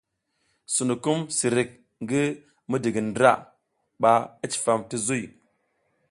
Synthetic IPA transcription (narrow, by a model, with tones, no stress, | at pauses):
su˨nu˨ku˦msi˨ɾi˨k̚ | ŋɡi˦ | mi˦di˨ɡi˨ndɾa̰˦˨ | ɓa˨i˦t͡ʃi̥˨fa˨mti˦zu˦i˨